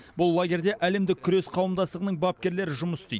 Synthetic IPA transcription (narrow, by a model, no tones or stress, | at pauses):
bʊlˠːaɡʲe̞ɾd̪e̞ʔæle̞md̪ɪkkʲʰʏɾe̞sqʰɑwəmd̪ɑst̪əʁənəɴbɑp̚kʲe̞ɾle̞ɾɪʒʊməsst̪ij